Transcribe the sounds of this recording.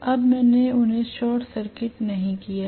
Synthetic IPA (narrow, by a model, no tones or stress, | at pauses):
ɐbmɛ̃ːneʊnɦẽʃɔːɾʈsɐɾkɪʈnɐɦĩkijaː